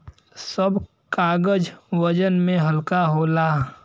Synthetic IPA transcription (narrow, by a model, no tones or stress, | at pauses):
səb | kaːɡəd͡ʒʋəd͡ʒənmẽɦəlkaɦoːlaː